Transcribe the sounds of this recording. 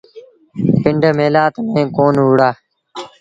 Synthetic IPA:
pɪɳɖʱmeːlaːt̪mẽːkoːnɦʊːɽaː

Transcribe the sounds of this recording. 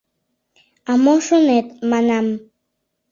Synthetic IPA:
amoʃonet̪manam

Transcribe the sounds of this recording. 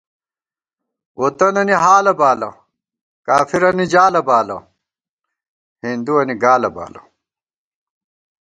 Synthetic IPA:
ot̪ɐnɐniɦaːlɐbaːlɐ̰ | kaːfiɾɐnid͡ʑaːlɐbaːlɐ̰ | hind̪uɐniɡaːlɐba̰ːlɐ̰

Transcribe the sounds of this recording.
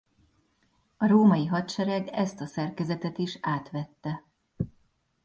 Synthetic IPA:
ɒɾoːmɒjiɦɒt̪ʃɛɾɛɡɛst̪ɒsɛrkɛzɛt̪ɛt̪iʃaːt̪ʋɛt̪ːɛ

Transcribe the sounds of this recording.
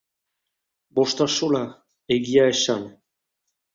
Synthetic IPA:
boʃt̪aʃola | eɣiaeʃan

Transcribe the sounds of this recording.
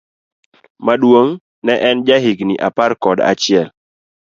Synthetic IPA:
maɗwoŋ | nɛʔɛnd͡ʒaɦɪɡniʔapaɾkɔda̰t͡ʃɪɛl

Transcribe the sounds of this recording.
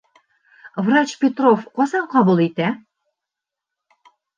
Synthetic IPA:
vrɑt͡ɕpʲet̪rofqosɑnqɑbulˠet̪æ

